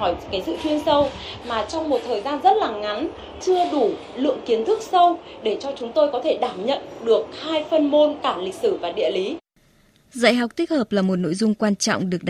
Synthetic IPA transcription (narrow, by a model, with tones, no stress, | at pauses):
ɔ˧˩jkaː˨˦jsɨ̰˧˨t͡ɕ̪wi˧ənsə˧wmaː˨˩t͡ɕɔ˧wŋ͡mmo˨˩t̚t̪ʰəː˨˩jzaː˧nzt̚laː˨˩ŋa˨˦n | t͡ɕɨ˧əɗu˧˩ | lɨ̰˧˨əŋki˨˦ənt̪ʰɨ˦˥k̚sə˧wɗe˧˩t͡ɕɔ˧t͡ɕʊ˨˦ŋ͡mt̪o˧jkɔ˨˦t̪ʰe˧˩ɗaː˧˩mɲə̰˧˨nɗɨ˨˩ək̚haː˧jfə˧nmo˧nkaː˧˩lï˨˩k̚sɨ˧˩vaː˨˩ɗḭ˧˨əli˨˦ | za̰˧˨jɦa˨˩k͡p̚t̪i˦˥k̚həː˨˩p̚laː˨˩mo˨˩t̚no̰˧˥˨jzʊ˧ŋ͡mkwaː˧nt͡ɕɔ̰˧˨wŋ͡mɗɨ˨˩ək̚ɗ